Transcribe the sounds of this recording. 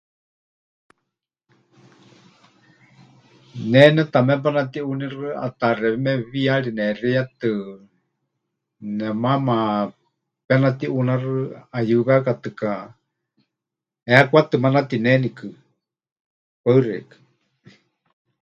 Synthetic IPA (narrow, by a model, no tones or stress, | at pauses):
nɛnɛt̪amɛp̬anat̪iunirɨa̰t̪arɛβɛmɛβiaɺinɛriat̪ɨ | nɛmama | pɛnat̪iʔunarɨajɨβɛakat̪ɨka | ɛakʷat̪ɨmanat̪inɛnikɨ | paɨrɛ̰kɨ̥